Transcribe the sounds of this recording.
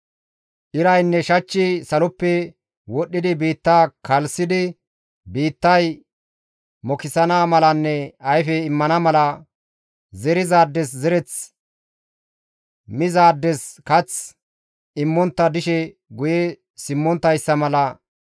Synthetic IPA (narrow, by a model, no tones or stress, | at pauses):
ʔɪɾɐjnːɛʃɐt͡ʃːɪsɐlɔpːɛ | wɔɗːɪd̪ɪbiːt̪ːaːkʰɐlsɪd̪ɪ | biːt̪ːɐj | mɔkɪsɐnaːmɐlɐnːɛɐjfɛɪmːɐnɐmɐlɐ | zɛɾɪzaːd̪ːɛszɛɾɛt͡s | mɪzaːd̪ːɛskɐt͡s | ɪmːɔnt̪ːɐd̪ɪʃɛ | ɡʊjɛ | sɪmːɔnt̪ːɐjsːɐmɐlɐ